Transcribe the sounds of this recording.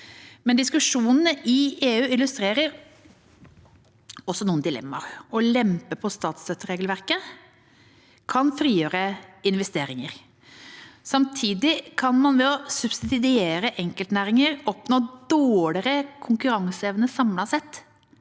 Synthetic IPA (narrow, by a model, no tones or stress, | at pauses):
mɛnd̪ɪskʉʂuːnənəʔɪeːʉːɪlʉst̪ɾeːɾəɾ | ɔsːɔnuːnd̪ɪlɛ̰mːɑ̰ɾɔlɛmpəpʰɔst̪ɑːt̪st̪œt̪ːəɾeːɡəlʋæɾkə | kʰɑnfɾiːjøːɾəɪnʋɛst̪eːɾɪŋəɾ | sɑmt̪ʰiːd̪ɪkʰɑnmɑnʋɛɔsʉbsɪd̪ɪd̪ɪeːɾəʔɛŋkəlt̪næːɾɪŋəɾɔpnoːd̪oːɽɪɾəkʰʊŋkʉɾɑŋsəeːʋənəsɑmlɑsɛt̪ː